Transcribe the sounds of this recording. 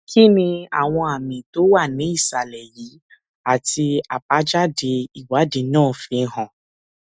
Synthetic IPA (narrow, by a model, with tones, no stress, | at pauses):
kʰi˦nĩ˧a̰˨w̃ɔ̃˧a˨mĩ˨to˨˦wa˦˨nĩ˨˦i˦˨sa˨lɛ˨ji˨˦ | a˦˨ti˧a˨pa˨˦d͡ʒa˦de˧i˨wa˨˦de˧nãː˦˨˦fĩ˧˦ɦɔ̃˨